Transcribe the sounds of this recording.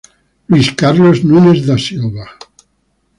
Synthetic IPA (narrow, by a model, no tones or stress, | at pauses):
liskaɾloznunezd̪asilβa